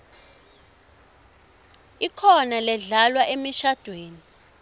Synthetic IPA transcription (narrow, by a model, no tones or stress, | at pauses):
ikʰɔnalɛɮalwaʔemiʃad̥ʱweːni